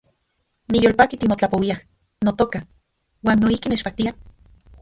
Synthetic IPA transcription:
nijoːlpaːkit̪imot͡ɬapowiah | not̪oka | waːnːoihkinet͡ʃpak̚t̪ia

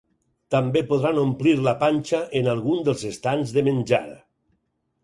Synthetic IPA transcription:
t̪ambepoðɾanompliɾlapanʲt͡ʃaʔenalˠɣund̪əlˠzest̪anzðəmenʲd͡ʒa̰ɾə̰

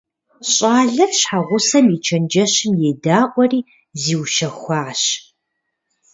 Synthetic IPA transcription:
ɕʼaːɮɐrɕħaʁʷʊsɐmit͡ʃʰɐnd͡ʒɐɕɪmjedaːʔʷɔriː | ziːwʃɐxʷɑːɕ

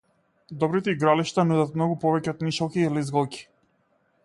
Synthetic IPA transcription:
d̪ɔbɾit̪ɛiɡɾaliʃt̪anud̪at̪mnɔɡupɔvɛcɛɔt̪niʃɔlˠkiːlizɡɔlˠcʲi̥

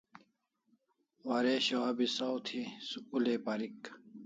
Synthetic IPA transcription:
waɾeɕoɦɐbisawt̪ʰisuuleːpaɾik

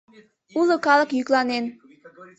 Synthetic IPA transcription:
ulokɑlˠɤ̆kjyklˠɑnen

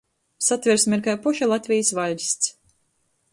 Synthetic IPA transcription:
sat̪vʲɛɾsmʲɛɾkajpuʃalˠat̪ʲvʲijsvalʲsʲt̪s

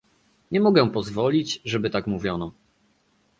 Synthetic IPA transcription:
ɲɛmɔɡɛ̃pɔzvɔlʲit͡ɕʐɛbɘt̪akmuvʲjɔnɔ

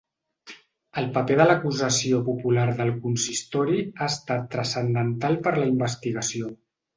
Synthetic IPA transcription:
əlˠpəpeðələkuzəsiopupulaɾðəlˠkunsist̪ɔɾiaəst̪at̪ːɾəsənd̪ənt̪alˠpəɾləimbəst̪iɣəsio

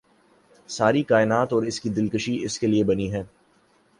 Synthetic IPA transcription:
saːɾikaːɪnaːt̪ɔːɾɪskid̪ɪlkəʃiɪskeliebɐniɦɛ̃ː

